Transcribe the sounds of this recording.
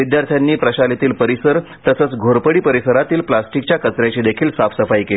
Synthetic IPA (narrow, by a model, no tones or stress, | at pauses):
id̪jaɾt̪ʰjanːiːpɾəɕalit̪iːlpəɾisəɾ | t̪əsəːt͡sɡʱoɾpəɽiːpəɾisəɾat̪iːlplasʈikt͡ɕjakət͡sɾjat͡ɕiːd̪ekʰiːlsafsəfajkel